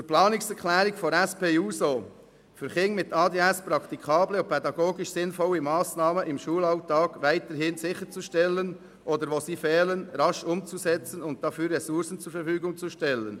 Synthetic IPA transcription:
t͡suɾplɑːnɪksɛɾkʰlɛːɾɪɡfɔɾɛspeːuːsoː | fyːɾχɪŋmɪtɑːdeːɛspɾɑkt̪ikʰɑːbləʊpʰɛdɑɡoːɡɪʃsɪnfɔlimɑːsnɑːməʔɪmʃuːlɑʊtɑːɡ̥vaɪtəɾhɪnsɪçət͡suʃtɛlən | ʔoːdəɾʋoːsiːfɛːlənɾɑʃʊmt͡susɛt͡sənʊnt̚d̥ɑfyːrːɛsʊɾsənt͡suɾfəɾfyːɡʊŋt͡suʃtɛlən

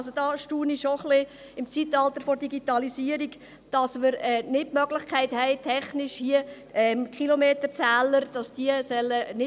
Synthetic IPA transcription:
sod̥ɑːʃtuːniʃoχlɪ | ɪmt͡sitɑlt̪əɾfɔrdiɡitɑlisiəɾiɡ | d̥ɑsmɪɾɛnɪtmœɡlɪχkʰæɪthɛɪtʰɛχnɪʃhiə | ɛmkχilomeːtəɾt͡sæːləɾd̥ɑsd̥iəsœlːənɪ

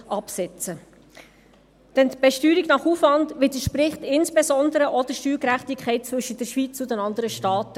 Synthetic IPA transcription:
ʔɑpsɛt͡sə | d̥ɛntb̥ɛʃtyːɾiɡnɑχufʋɑndʋɪdəʃpɾɪχtɪnsb̥esɔndəɾəʔɔdəʃtyːlkɾæχtikʰχɛɪt̚t͡svɵʃədəɾʃʋit͡sʊdɛnɑndəɾəʃtɑːtə

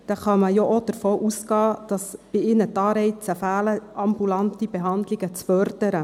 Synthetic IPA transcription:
d̥̪ɛχɑməjoʔod̥əɾfoːʔusɡɑːd̥ɑsb̥ɪɪnət̪ɑːɾɛɪt͡səfæːləʔɑmbulɑnt̪ibɛɦɑnd̪liɡ̥ət͡sfœɾd̥əɾə

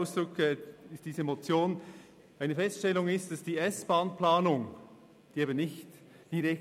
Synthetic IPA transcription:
ʊsd̥ʁʊkɛɪstd̥iːzəemot͡sjoːn | ʔaɪnəfɛstʃtɛlʊŋɪstd̥asd̥iːɛsb̥aːnplaːnʊŋ | d̥iːeːbənɪçt | d̥iɾɛk

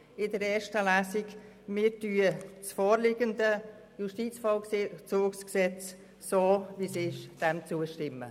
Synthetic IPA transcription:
ɪdəɾɛːʃtəlæːsɪɡ | mɪɾtyːət͡sfoːɾlɪɡəndə | juʃtiːt͡sfɔʊt͡suːksksɛt͡s | soːvisɪʃd̥ɛmt͡suəʃtɪmːə̰

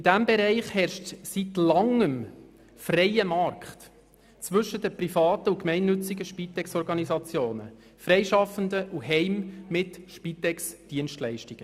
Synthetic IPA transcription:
id̥æmbɛɾɛɪχhɛɾʃtsitlɑŋəm | frɛjəmɑɾkχt | t͡sʋɵʃəd̥əprifɑːtəukmɛɪnːɵt͡siɡəʃpit̪ɛksɔɾɡɑnizɑt͡sjoːnə̰ | fɾɛɪʃɑfəndəʔuɦɛɪmːɪtʃpitɛksd̥iənʃtlɛɪʃtiɡ̥ə

